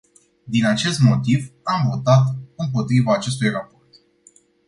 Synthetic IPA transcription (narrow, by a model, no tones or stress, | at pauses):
d̪inat͡ʃe̞st̪mo̞t̪ivamvo̞t̪at̪ɨmpo̞t̪ɾivaːt͡ʃe̞s̬t̪ujraport̪